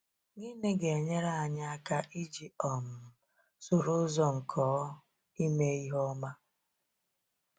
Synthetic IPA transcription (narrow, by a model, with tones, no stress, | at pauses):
ŋiː˦ne˦ɡe˨e˨ɲe˦ɾa˦˨a˨ɲa˦a˦ka˦ʔi˦d͡ʒi˨ɔ˨m̩˨ | sʊ˨ɾʊ˦zɔ˦ŋ̩˨kʰɔː˨˦ | i˦me˦i˦ɦɔ˦ma˦